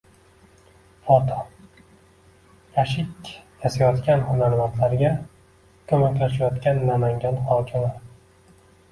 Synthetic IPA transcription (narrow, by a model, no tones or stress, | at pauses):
fɒt̪ʰɒ | jaʃɪkʲjʰasajɒt̪kʲʰanhʊmaɾmant̪laɾɡʲa | kʲʰɵmakʲlaʃajɒt̪kʲanːamaŋɡʲanhɒkʲʰɪmɪ